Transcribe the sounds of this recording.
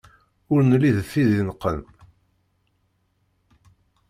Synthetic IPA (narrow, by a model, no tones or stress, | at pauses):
ʊɾnəlːiðθːiðinəqːən